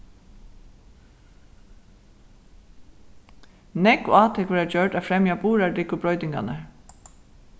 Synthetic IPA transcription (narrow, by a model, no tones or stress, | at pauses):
nɛkɔ̰aːt̪ʰɛkʋɛːɾad͡ʒœɹɖafɾɛmjabuːɾaɹdiːkʊbɾɔʏt̪ɪŋka̰naɹ